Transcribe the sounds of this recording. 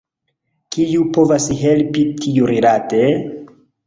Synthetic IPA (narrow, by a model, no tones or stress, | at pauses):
kijupo̞vasɦe̞lpitʰijuɾilate̞